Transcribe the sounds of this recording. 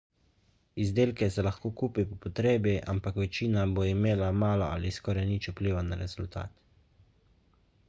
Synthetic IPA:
izd̪eːlkɛsɛlaxkoːkuːpipɔpɔt̪ɾeːbiʔa̰mpakʋɛt͡ʃiːnaboːimeːlamaːlɔa̰liskɔːɾajnit͡ʃupliːʋanaɾɛz̥ult̪a̰ːt̪

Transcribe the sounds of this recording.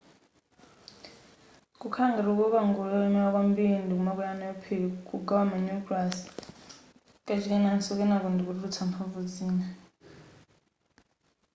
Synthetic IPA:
kukʰaŋɡaɾukɔβaŋɡulɔɛmɛwak̬wambindikumakujanaɔpʰekʼuɡawamaɲuklas | kʼat͡ʃʰikɛnansɔkɛnakundikuɾut͡sʰampʰavud͡ziːna

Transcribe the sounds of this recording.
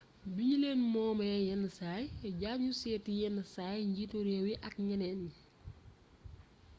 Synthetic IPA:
bileːnmɔːmɐjɛnːəsaːjɟaɲusɛːtijɛnəsaːjɲɟituɾewiʔɐk̚ɲɐnɛnːi

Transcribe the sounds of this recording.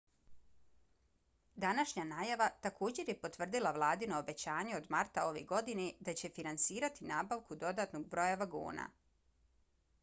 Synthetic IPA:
d̪anaʃɲanaːjaʋat̪akʰo̞ːd͡ʑe̞ɾje̞po̞t̪ʋr̩d̪ilˠaʋlˠaːd̪inoobe̞t͡ɕaːɲeo̞d̪maɾt̪ao̞ʋeɡo̞d̪ined̪at͡ɕe̞finansiːɾat̪inaːbaʋkud̪o̞d̪at̪noɡ̚bɾo̞jaʋaɡṵːna̰

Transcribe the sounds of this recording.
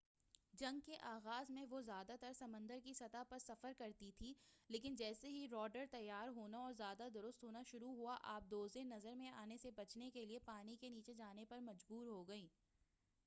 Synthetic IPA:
d͡ʒɐ̃ŋɡkeʔaːɣaːzmẽʋozjaːd̪at̪ɐɾsɐmə̃nd̪əɾkisɐt̪apɐɾsɐfəɾkɐɾt̪it̪ʰiːleːkɪnd͡ʒɛːseɦiɾɔːɖəɾt̪ɐjːaːɾɦoːnaɔːɾzjaːd̪ad̪ʊɾʊst̪ɦoːnaʃʊɾuɦuaʔaːp̚d̪oːzenɐzəɾmẽaːnesebɐt͡ʃnekeliepaːnikeniːt͡ʃed͡ʒaːnepɐɾmɐd͡ʒbuːɾɦoɡɐĩː

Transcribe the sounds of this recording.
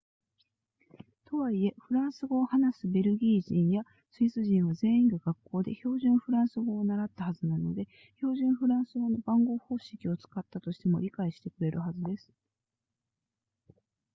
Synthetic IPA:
t̪o̞βaie̞ɸɯ̟ɾãɰ̃sɨɡo̞ːhanasɨbe̞ɾɯ̟ɡʲiːʑĩɰ̃ja | sɨisɨʑĩɰ̃βaze̞ːĩŋɡaɡakːo̞ːd̪e̞̰ço̞ːʑɨ̃ɰ̃ɸɯ̟ɾãɰ̃sɨɡo̞ːnaɾat̪ːahazɨnano̞̰d̪e̞ | ço̞ːʑɨ̃ɰ̃ɸɯ̟ɾãɰ̃sɨɡono̞bãŋɡo̞ːho̞ːɕi̥kʲio̞t͡sɨ̥kat̪ːat̪o̞ɕi̥t̪e̞mo̞̰ɾʲikaiɕi̥t̪e̞kɯ̟ɾe̞ɾɯ̟ɦazɨd̪e̞sɨ̥

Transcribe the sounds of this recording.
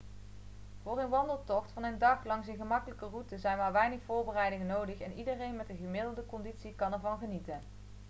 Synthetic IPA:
v̥ʊːrənʋɑndəlˠtɔχtfɑnəndɑχlɑŋsənχəmɑkələkərutəzɛjnmaːɹʋɛjnəχfʊːɹbərɛjdɪŋənowdəχɛnidərejnmɛtəχəmɪdəl̩ˠdəkɔnditsikɑnɛɹvɑnχənitən

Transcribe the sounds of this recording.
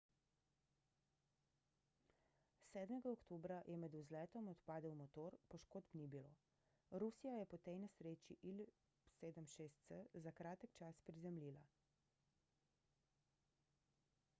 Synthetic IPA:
sɛːd̪mɛɡaokt̪oːbɾajɛmɛd̪uzlɛːt̪ɔmɔt̪paːd̪ɛwmɔt̪oːɾpɔʃkoːd̪pnibilo̰ | ɾusijajɛpɔt̪ejnɛsɾeːt͡ʃiʔil | seːd̪əmʃeːst̪səzakɾaːt̪əkt͡ʃaspɾizɛmliːla

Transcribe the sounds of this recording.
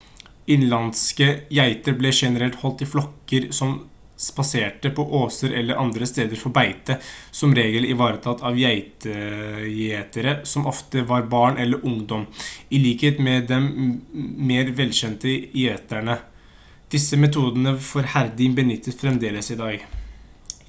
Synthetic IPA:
ɪnlɑnskəjæɪt̪əɾblɛʂɛnəɾɛlt̪hɔlt̪ɪflɔkːəɾsɔm | spɑseːʈəpʰɔʔoːsəɾʔɛlːəɾʔɑnd̪ɾəst̪eːd̪əɾfɔɾbæɪt̪əsɔmɾeːɡəlɪʋɑːɾət̪ʰɑt̪ʰːɑʋjæɪt̪ə | eːt̪əɾəsɔmʔɔft̪əʋɑɾbɑːɳʔɛlːəɾʔʊŋd̪ɔmɪliːkheːt̪mɛd̪ɛmː | eːɾʋɛlːɕɛnt̪əɪeːt̪æɳə | d̪̥ɪsːəmɛt̪ʰuːd̪ənəfɔɾhæɾd̪ɪnbənʏt̪ʰːət̪fɾɛmd̪eːləsɪd̪ɑːɡ

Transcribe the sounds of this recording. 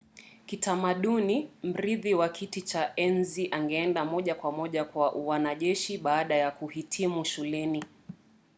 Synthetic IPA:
kitamaɗunim̩ɾiðiwakʰitit͡ʃaʔɛnziʔaŋɡɛɛndamɔʄakwamɔʄakwaʔwanaʄɛʃiɓaːɗajakuhitʰimuʃulɛni

